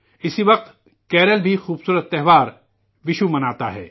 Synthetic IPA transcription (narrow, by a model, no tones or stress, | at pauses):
ɪsiʋɐq̚t̪ | kɛːɾəlbʱixuːbsuːɾət̪ːɛɦʋaːɾ | ʋɪʃumɐnaːt̪aɦɛ̰ː